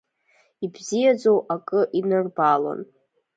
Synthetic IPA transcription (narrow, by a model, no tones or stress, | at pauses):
ibzijad͡zowʔakʼɨʔinɨrbala̰n